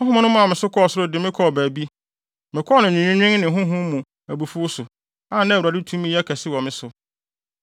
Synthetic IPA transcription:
ʊ̃˦ɦʊ̃˦mʊ̃˦nʊ̃˦m˦ã˨mɪ̃˨sʊ˦kʰɔ˦ɔ˨sʊ˦ɾʊ˦dɪ˨mɪ̃˦kʰɔ˦˨bæː˨bi˦ | mɪ̃˨kʰɔ˦nʊ̃˨n˨ĩ˨nĩ˦nᶣɪ̃˦ŋnɪ̃˨ɦʊ̃˦ɦʊ̃˦mũ˨ | æ˨bu˨fu˦ʊ˦sʊ˨ | ã˨˦nã˦˨a˨dɪ˦tʰũ˦mĩ˦ɛ˦kʰæ˨sɪ˦wɔ˨mɪ̃˦sʊ˨

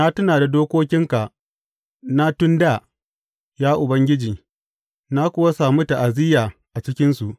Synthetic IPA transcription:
na˦tʊ˦naː˨da˨doː˦kʷoː˦kʲɪ˦ŋka˨ | na˦tʊ˦nda˦˨ | jaː˦ʔʊ˨bɐ˦ŋɡʲɪ˦d͡ʒiː˨ | na˦kʷʊ˦wa˦saː˨mu˦ta˨ʔa˨zɪ˦jaː˨ʔa˨t͡ʃɪ˦kʲɪ˦nsu˨ʔ

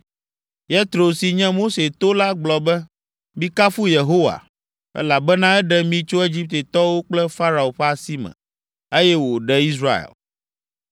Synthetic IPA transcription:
je˦t̪ɾo˨si˨ɲɛ̃˦mo˦se˨t̪o˦la˦ɡ͡blɔ˨bɛ˦ | mĩ˦ka˦fu˦je˨ɦo˦wa̰˨ | ɛ̰˦la˨bɛ˦nã˦ɛ˦ɖɛ˦mĩ˦t͡ʃo˦e˦d͡ʑi˦p̚t̪e˨t̪ɔ˦wo˦k͡plɛ˦fa˦ɾa˨o˨ɸɛ˦a˨si˦mɛ̰̃˨ | e˦jɛ˦wo˨ɖɛ˨i˦s̬ɾa̰˦˨ḛ˨l

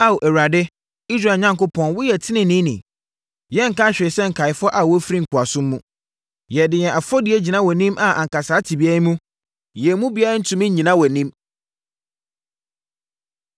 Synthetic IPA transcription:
a˦˨wʔɛ˨wa˨dɪ˦ | i˦s̬ɾa˦˨ɲã˦ŋkʊ˦pʰɔ̃˨nwʊ˦jɛ˨tʰɪ˦nɪ̃˨nĩ˦nḭ̃˨ | jɛ˦ŋ̩˨ka˦ɕᶣɪ˨ɪ˨sɛ˦ŋ̩˨kʰa˨ɪ˨fʊ˦ɔ˦ʔa˨wɔ˦fɾi˦ŋ̩˨kʰʊ˨a˨sʊ̃˦mː˦ũ˦ | jɛ˨dɪ˨jɛ˨ʔa˨fɔ˦di˨˦e˦d͡ʑi˨nã˦wɔ˨nĩ˦mʔa˨ʔã˨ŋ̩˨ka˨saː˦tʰi˨bi˦a˦ɾi˦mũ˦ | jɛ˨mũ˦bi˨˦a˦ɪ˦n̩˦tʰũ˨mɪ̃˦ɲ̩˦ɲĩ˨nã˦wɔ˨nĩ˦m

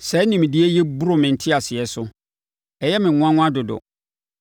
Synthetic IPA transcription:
sɛ˨˦nĩ˨m˨di˦ɛ˦jɛ˦bu˦ɾʊ˨mɪ̃˨n̩˨tʰɪ˦a˨sɪ˨ɛ˨sʊ˦ | ɛ˨jɛ˦mɪ̃˨ŋʊ̃˦ã˦ŋʊ̃˦a˦dʊ˨dʊ̰˨

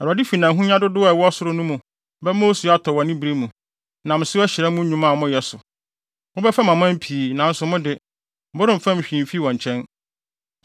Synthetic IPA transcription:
ɛ˨ɾɔ˨dɪ˦fi˨nã˨ɦũ˦ɲã˦dʊ˦dʊ˦ɛ˨wɔ˦ɔ˦sʊ˦ɾʊ˦nũ˦mũ˨ | bɛ˦mo˦su˨˦a˦tʰɔ˨wɔ̃˨nĩ˦bi˨ɾe˦mũ˨ | nã˨m̩ɪ̃˨sɪ˦ɔ˦ɕɪ˨ɾɛ˦mũ˦ɲᶣũ˨mã˦˨mʊ̃˦jɛ˨sʊ˨ | ʊ˦bɛ˦fɛ˦mã˨mã˦m˦pʰiː˨nã˨n̩˦sʊ˨mʊ̃˦dɪ˨ | bʊ˦ɾɪ̃˦˨m̩˨fã˦m̩˨ɕᶣĩ˨fi˦wɔ̃˨ɲ˨t͡ɕʰɛ̃˦n

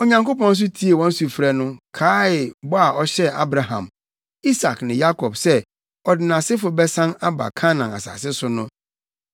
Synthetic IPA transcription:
o˨ɲã˨ŋko˦pɔ̃˦n̩˦s̬ʊ˦tʰi˦e˨wɔ̃˦n̩˦su˨fɾɛ˦nʊ̃˦kʰaː˦ɪ˨bɔ˦a˨ɔ˦ɕɛ˦a̰˦bɾa˨ɦã̰˨m | i˦sa˨knɪ̃˨ja˦kʰɔ˨bsɛ˦ | ɔ˨dɪ˨nã˨sɪ˦fʊ˨bɛ˦sã˦na˦ba̰˨kʰa˦nã˨na̰˨sa̰ː˨sɪ˦sʊ˦nʊ̃˦

